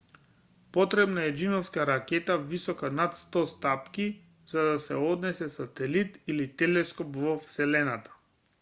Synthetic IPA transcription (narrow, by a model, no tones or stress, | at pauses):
pɔt̪ɾɛbnaɛd͡ʒinɔfskaɾakɛt̪avisɔkanat̪st̪ɔst̪apki | z̥ad̪asɛɔd̪nɛsɛsat̪ɛlit̪ilit̪ɛlɛskɔpvɔfsɛlɛnat̪ḁ